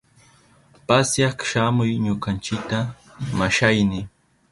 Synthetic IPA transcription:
pasjɑkʃamʊjɲʊkant͡ʃɪkt̪a | maʃajnɪ

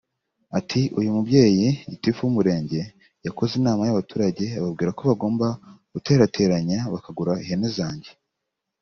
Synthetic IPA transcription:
atʰiʔujumubɟe̞ːjiitifuumuɾe̞ːɲɟe̞ | jako̞zinaːmajaβatuːɾaɟe̞aβabɡiːɾako̞βaɡo̞ːmbaɡ̥ute̞ːɾate̞ːɾaɲaβakaɡuɾaihenezaːɲɟe̞̥

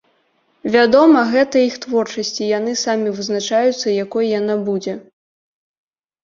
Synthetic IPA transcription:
vʲad̪ɔmɐɣɛt̪ɐixt̪vɔrt͡ʂɐsʲt͡sʲijanɨsamʲivɨznat͡ʂajut̪sːɐjakɔjjanabud͡zʲɛ

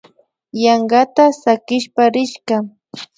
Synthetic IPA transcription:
jɑŋɢat̪asakɪʃpaɾɪʃka

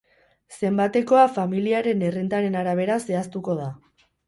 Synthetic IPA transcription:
se̞mbat̪e̞ko̞afamiliaɾe̞ne̞rint̪aɾe̞naɾaβ̞e̞ɾase̞ast̪uko̞ð̞a

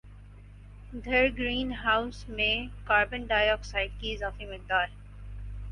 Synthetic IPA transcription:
d̪ʱɐɾɡɾiːnɦaːʊsmẽkaːɾbə̃nɖaːjɔːksaːɪɖ̚kiɪzaːfimɪl̚d̪aːɾ

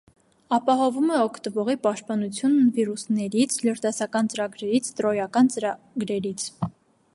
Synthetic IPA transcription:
ɑpɑɦɔvumɛɔkʰt̪əvɔʁipɑʃt̪̚pɑnut͡sʰjunːviɾusnɛɾit͡sʰləɾd̪ɑsɑkɑnt͡səɾɑɡɾɛɾit͡sʰt̪ɾɔjɑkɑnt͡səɾ | ɡɾɛɾit͡sʰ

